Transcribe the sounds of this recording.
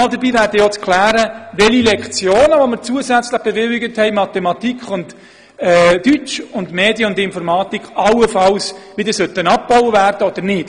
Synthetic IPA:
ɑldəɾbiːvæːɾdəjot͡skʰlæːɾəʋɛlilɛkχt͡sjoːnəʋoməɾt͡suəsæt͡sləχb̥ɛʋɪlɪɡəthɛɪmɑt̪ɛmɑtikχʊnt | ɛdyt͡ʃʊndmeːdjəʊndɪnfɔɾmɑːt̪ikχɑlwəfɑlsʋɪd̪əsœt̪ənɑp̚b̥ɔʊwəvæːrd̥əod̥̪əɾnɪːt

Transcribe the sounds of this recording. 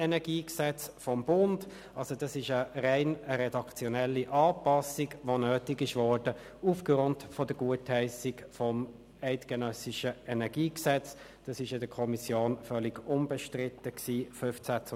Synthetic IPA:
ɛnɛɡiːksɛt͡sfɔmbʊnd | ʔɑlsod̥ɑsɪʃərɛɪnəɾɛdɑkt͡sjɔnɛlːiʔɑːpɑsɪɡʋonøːtɪɡɪʃʋɔɹd̥ə | ufɡʁʊntfɔd̥əɡ̥uəthɛɪsɪkfɔm | ɛɪtɡ̥ənœsɪʃəɛnɛɡ̥iːksɛt͡s | d̥ɑsɪʃɪdəkʰɔmisjoːnfœlɪɡʊmbɛʃtʁɪtːəksiːfʉft͡sæt͡s

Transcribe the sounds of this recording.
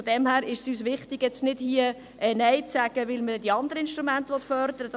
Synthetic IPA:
ɔd̥̪ɛmhæːɾɪʃsyːsʋɪχt̪ɪɡ̥jɛt͡stnɪd̥hiə | ɛnɛjt͡sæɡ̥əʋɪlmədɛd̥̪iɑnd̪əɾəɪnʃtɾumæntəʋɔtfœɾd̪əɾəd

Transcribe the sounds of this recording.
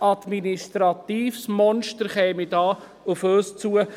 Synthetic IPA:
ɑd̪̥ministɾɑt̪iːfsmɔnʃtəɾχɛːmidɑː | ʊføːst͡suə

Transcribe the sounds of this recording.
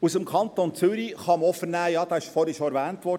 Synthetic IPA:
usəmkʰχɑnt̪ont͡sʏɾiχɑməɔfənæːjɑːd̥̪ɑːɪʃfɔɾɛʃoɛɾʋæːntʋɔɾ

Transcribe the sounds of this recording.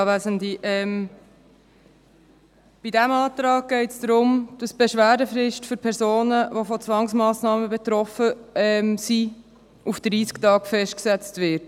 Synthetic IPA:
ɑʋæsəndiʔɛm | b̥idæmɑːt̪ɾɑːɡ̚ɡ̥ɛɪtsd̥ɾʊmd̥ɑsb̥ɛʃʋæːdəfɾɪʃtfʏɾpʰɛɾzoːnəʋofɔt͡sʋɑŋsmɑːsnɑːməbɛt̪ɾɔfəɛmsi | ʔufd̥ɾiːsktɑːkfɛʃt̚ksɛt͡stvɪɾt

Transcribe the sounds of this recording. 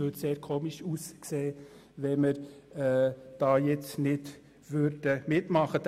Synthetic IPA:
øːtseːɾkʰoːmiʃuːskseː | ʋɛməɾɛd̥ɑːjɛt͡snɪd̥ | ʋøɾd̥əmɪtmɑχət̪

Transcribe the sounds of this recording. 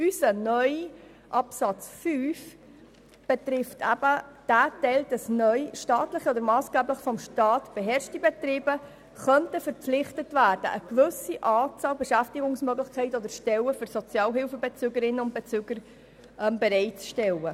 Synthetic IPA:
ysənœʏ | ʔɑpsɑt͡sfyːf | b̥ɛt̪ɾɪftʰæb̥əd̥æːtɛltɑsnœʏʃtɑːtləχiɔd̪əɾmɑːsɡ̥æːbləχfɔmʃtɑːtb̥eɦɛɾʃtibet̪ɾiːbə | χœntəfəɾpp͡flɪχtətvæːɾd̥ə̰ʔəkʋʏsiʔɑːt͡sɑːlbɛʃæftɪɡʊŋsmœɡlɪχkʰɛɪtɔd̪əʃtɛləføɾsɔt͡sjɑːlɦɪlfəbet͡søːɡəɾɪnːəʊnt̚b̥et͡syːɡəɾ | ʔɛmbeɾɛɪtt͡sʃtɛlə

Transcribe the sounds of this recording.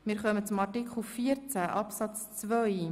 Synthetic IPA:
mɪːɾχœmət͡sʊmɑrtikχl̩fiəɾt͡sæʔɑpsɑt͡st͡svœj

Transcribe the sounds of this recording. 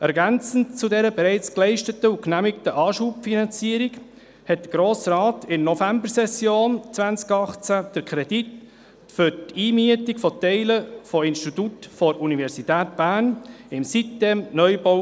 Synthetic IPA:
ʔɛɾɡænt͡sən̩t͡sudɛɾəbɛɾɛɪt͡sklɛɪʃtətəuknæmɪktəʔɑːʃuːpfinɑnt͡siːəɾiɡ | hɛt̚d̥əɡ̥ɾoːsrɑːtɪnnɔfæmbəɾsɛsjoːnt͡sʋænt͡skɑχt͡sæd̥əɾkʰɾɛd̥it | fʏɾtiːmyətikfɔtɛɪləfɔɪnʃtit̪utfɔɾunivɛɾsitæːtb̥æːɾnɪmsitːɛmnœjbo

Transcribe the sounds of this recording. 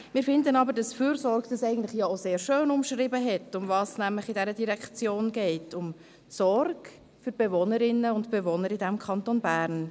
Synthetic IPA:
mɪːɾfɪndənɑbəɾdɑsfyːɾsɔɾɡd̥ɑsɛɪɡən̩tləχjɑoseːɾʃøːnʊmʃrɪbəɦɛtʊmvɑːsnæmləχɪdɛɾədiɾɛkt͡sjoːnɡɛɪtʰʊm | sɔrɡ | fyɾb̥ɛvɔnəɾɪnːəʊntb̥ɛvɔnəɾɪdæmkʰɑntonbæːɾn

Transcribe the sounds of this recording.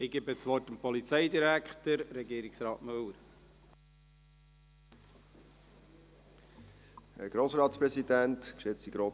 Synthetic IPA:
ɪɡɪbət͡sʋɔtəmpɔlit͡sɛɪd̪iɾækχt̪əɾɾɛɡiːɾɪksɾɑːtmɵwəɾ | hæ̰ɾɡ̥ɾoːsɾɑːtspɾɛsidæntkʃɪt͡stiɡɾoː

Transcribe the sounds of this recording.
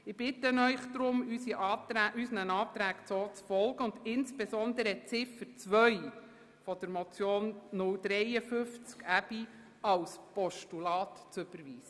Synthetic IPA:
ɪb̥ɪtənœʏχd̥ɾʊmysiʔɑːtɾæʔysənənɑːt̪ɾæːkt͡soːt͡sfɔlɡəʊndɪnsb̥esɔnd̪əɾət͡sɪfəɾt͡sʋœʏ | fɔd̥əɾmɔt͡sjoːnːʊld̪ɾɛjəfʏft͡skæbi | ɑwspɔʃtulɑːt̪t͡sʏb̥əɾʋiːsə

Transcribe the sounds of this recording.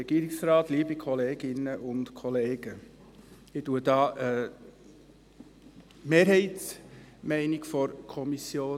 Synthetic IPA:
ɛɡ̥iːɾɪksɾɑːt̪liːbikʰɔleːɡɪnːəʔʊntkʰɔleːɡ̥ə | ɪtuəd̥ɑːʔ | meːɾɦɛɪtsmɛɪnɪkfɔɾkʰɔmisjoː

